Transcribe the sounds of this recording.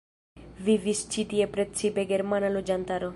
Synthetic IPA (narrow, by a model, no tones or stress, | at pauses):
vivist͡ʃit̪ie̞pɾe̞t͡sipe̞ɡe̞ɾmanalod͡ʒant̪aɾo̞